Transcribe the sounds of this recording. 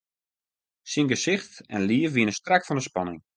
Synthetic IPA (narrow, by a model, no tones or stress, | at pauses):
siŋɡəsɪxtɛ̰nliəfʋiənəstrakfɔndəspɑnɪŋ